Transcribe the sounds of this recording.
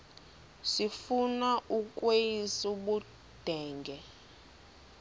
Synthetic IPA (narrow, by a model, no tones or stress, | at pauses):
sifunaʔukʼweisuɓu | d̥ʱɛːŋɡʱɛ